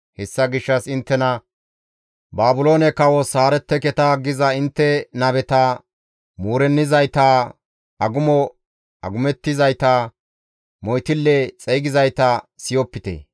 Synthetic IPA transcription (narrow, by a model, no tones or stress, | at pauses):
hɛsːɐɡɪʃːɐsɪnt̪ːɛnɐ | baːbʊlo̞ːnɛkɐwɔsaːɾɛt̪ːɛkɛt̪ɐɡɪzɐɪnt̪ːɛnɐbɛt̪a | muːɾɛnːɪzɐjt̪a | ɐɡʊmɔ | ɐ̰ɡʊmɛt̪ːɪzɐjt̪a | mɔjt̪ɪlːɛt͡sʼɛjɡɪzɐjt̪ɐsɪjɔpːɪt̪ɛ̰